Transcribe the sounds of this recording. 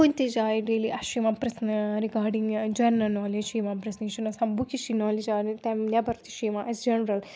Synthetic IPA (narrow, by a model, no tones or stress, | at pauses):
kunt̪id͡ʒaːjiɖeːliʔɐʃimãpɾɐsnɾikaːɾɖiŋd͡ʒɐnɐnɔːled͡ʒʃiːmapɾɐsniʃinɐsɐmbukiʃinɔːlid͡ʒaːnt̪ɐmljabɐɾt̪i̥ʃimaʔɐsd͡ʒɐnɾɐl